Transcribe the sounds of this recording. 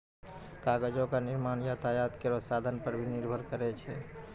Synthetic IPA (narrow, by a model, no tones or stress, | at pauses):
kaɡəd͡ʒokaniɾmanjat̪ʰajad̪keɾɔsad̪ʱənpəɾbʱiniɾbʱəɾkəɾɛt͡ʃʰɛ